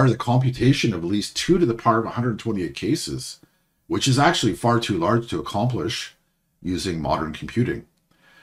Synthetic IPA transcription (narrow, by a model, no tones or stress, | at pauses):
ə˞ðɨkʰɑ̃mpjɨtʰeɪʃɨ̃nʌvətˡlistʰʉɾɨðəpʰɑɹɾʌvəhʌ̃ndɹədⁿn̩tʰwɛ̃ɾ̃ieɪt̚kʰeɪsɪ̰z̥ | wɨt͡ʃɨzæk̚t͡ʃʉl̩ˠifɑɹtʰʉlɑɹd̥ʒ̥tʰɨːkʰɑ̃mplɪʃ | jʉzɪ̃ŋmɑ̰ɾə̰̃˞nkʰm̩pʰj̥ʉɾɪ̰̃ŋ